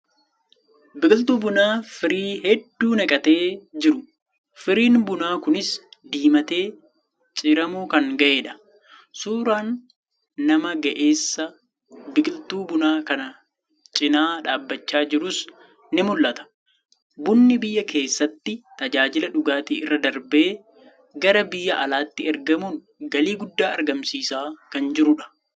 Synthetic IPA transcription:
bɪkʼɪlt̪uːbʊnaːfɪɾiːɦɛd̪ːuːnɐkʼɐt̪e̞ːd͡ʒɪɾʊ | fɪɾiːnbʊnaːkʊnɪsd̪iːmɐt̪e̞ː | t͡ʃʼɪɾɐmuːkɐŋɡɐʔe̞ːᶑɐ̥ | suːɾaːnː | ɐmɐɡɐʔe̞ːsːɐ | bɪkʼɪlt̪uːbʊnaːkɐnɐ | t͡ʃʼɪnaːᶑaːbːɐt͡ʃːaːd͡ʒɪɾʊs | nɪmʊlːɐt̪ɐ̥ | bʊnːɪbɪjːɐkʰe̞ːsːɐt̪ːɪt̪ɐd͡ʒaːd͡ʒɪlɐᶑʊɡaːt̪iːɪrːɐd̪ɐɾbe̞ː | ɡɐɾɐbɪjːɐʔɐlaːt̪ːɪɛɾɡɐmuːŋ | ɡɐliːɡʊd̪ːaːɐɾɡɐmsiːsaːkɐnd͡ʒɪɾʊᶑɐ̥

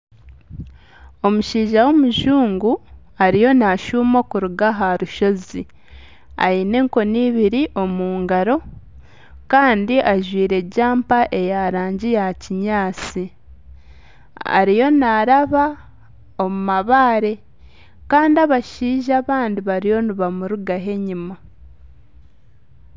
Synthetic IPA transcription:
o̞muʃiːʒawo̞muʒuːŋɡu | aɾijo̞naʃuːmo̞kuɾuɡaɦaɾuʃo̞zi | a̰jine̞ŋko̞niːβiɾiʔo̞muːŋɡaɾo̞ | kaːndiʔaʒwiːɾe̞ɟaːmpaʔe̞jaɾaːɲɟijaciɲaːt͡si | a̰ɾijo̞naɾaβa | o̞mumaβaːɾe̞ | kaːndiaβaʃiːʒaβaːndiβaɾijo̞niβamuɾuɡaɦe̞ɲima

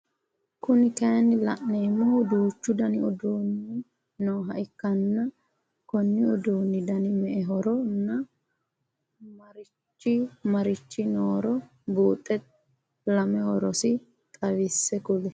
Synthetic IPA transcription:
kʊnɪkɐjɐnːɪlɐ̰ʔneːmːɔd̪uːt͡ʃːʊd̪ɐnɪɔd̪oːnːɪ | noːɦɐʔɪkːɐnːɐ | kɔnːɪɔd̪oːnːɪd̪ɐnɪmɛʔɛɦɔɾɔnːɐ | mɐɾɪ | t͡ʃːɪmɐɾɪt͡ʃːɪnoːɾɔ | buːt̪ʼːɛt̪ | lɐmɛhɔɾɔsɪ | t̪ʼɐwɪsːɛkʊlɛ

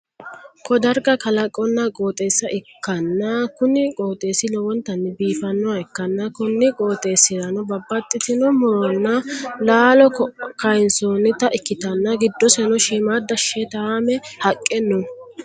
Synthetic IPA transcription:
kʰɔd̪ɐɾɡɐkɐlɐkʼːɔnːɐkʼo̞ːt̪ʼeːsːɐʔɪkːɐnːɐkʊnɪkʼoːt̪ʼe̞ːsɪlɔwɔnt̪ɐnːɪbiːfɐnːɔwɐɪkːɐnːɐkʊnːɪkʼo̞ːt̪ʼe̞ːsɪdɐnɔbɐbːɐt̪ʼːɪt̪ɪnɔmɔɾɔnːɐlaːlɔkkɐjnsɔːnːɪt̪ɐʔɪkːɪt̪ɐnːɐɡɪd̪ːɔsɛnɔʃiːmaːd̪ɐʃːɛt̪aːmɛhɐkʼːɛnːʊ

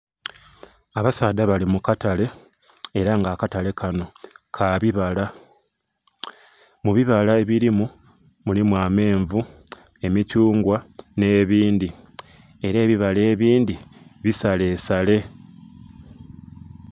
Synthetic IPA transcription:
aβasaːd̪aβalimukatale̞ː | ɾaŋɡaːkatale̞kʰano̞kʰaβiβala | muβiβalae̞βiɾimu | mulimwaːme̞ːɱvu | e̞micuːŋɡwane̞ːβiːndi | e̞ɾe̞ːβiβale̞ːβiːndiβisale̞ːsale̞

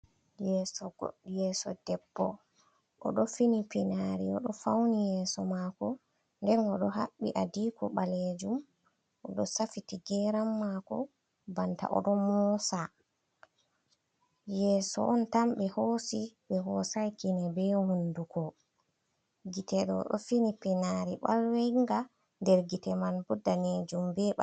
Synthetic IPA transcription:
jɛːsɔɡo̰ɗːijɛːsɔdɛbːɔ | ʔɔ̰ɗɔfinipinaɾiɔɗɔfawnijɛːsɔmakɔ | ndɛnɔɗɔɦaɓːiʔadiːkɔ̰ɓaled͡ʒum | ʔɔɗɔsafitiɡɛːɾamːakɔ | banta̰ʔɔ̰ɗɔmɔsa | jɛːsɔ̰ʔɔntamɓɛhoːsiɓɛɦɔsajkinɛbɛhundukɔ | ɡitɛɗɔ̰ɗɔfinipɛnaɾiɓa̰lwejŋɡa | ndɛɾɡitɛmanbɔdːaned͡ʒumbɛɓa̰

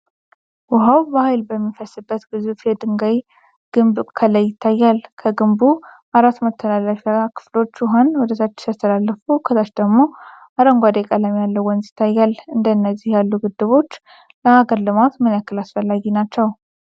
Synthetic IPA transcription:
wɔɦawbəhajlbəmːifəsɨbːət̪ɡɨzufjɛd̪ɨŋɡaj | ɡ̥ɨmbkʰələjːɪt̪ʰːajːalkʰəɡɨmbuʔaɾat̪ːmət̪ʰːəlalːəfakʰɨ̥flo̞t͡ʃːɔɦonwɔd̪ət̪ʰat͡ʃːɪ̥t̪ʰəst̪ʰəlalːəfukʰəzat͡ʃd̪əɡmo̞ʔaɾəŋɡʷad̪ekʼələmjalːəwɔnzɪ̥t̪ʰːajːalɨnd̪ənːəzːihjalːuɡɨd̪ːɨβo̞t͡ʃː | ləaɡəɾlɨmat̪mɨnəkːɨlasfəlːaɡinat͡ʃːɛw

